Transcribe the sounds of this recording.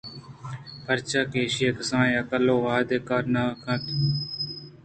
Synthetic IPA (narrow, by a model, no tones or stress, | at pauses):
pʰəɾt͡ʃaːkeːʃijekɪsãːneːəkəlːoːʋaːd̪eːkaːɾnaːkʰət̪